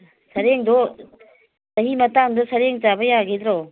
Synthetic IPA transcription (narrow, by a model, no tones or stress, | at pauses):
sɐɾeŋdɔ | sɐɦimɐtaŋdɔsɐɾeŋt͡ʃabɐjaɡid̪ɾɔ